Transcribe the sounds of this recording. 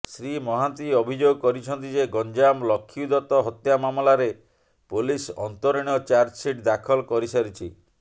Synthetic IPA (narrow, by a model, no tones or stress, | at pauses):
sɾimɔɦant̪iɔbʱid͡ʒoɡɔkɔɾit͡ʃʰɔnt̪id͡ʒeɡɔɲd͡ʒamlɔkʰːiud̪ɔt̪ɔɦɔt̪jamamɔlaɾe | pulisɔ̰nt̪oɾiɽ̃ɔt͡ʃaɾd͡ʒsiʈd̪akʰɔlkɔɾisaɾit͡ʃʰḭ